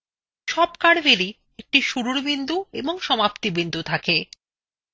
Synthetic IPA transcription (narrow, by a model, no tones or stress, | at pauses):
ʃɔbkaɾbeli | ek̚ʈiʃuɾuɾbind̪ueboŋʃɔmapt̪ibind̪ut̪ʰake